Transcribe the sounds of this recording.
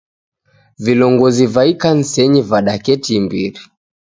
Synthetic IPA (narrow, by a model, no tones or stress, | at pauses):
vilɔŋɡɔzivaikan̩sɛɲivaɗakɛtimbḭɾi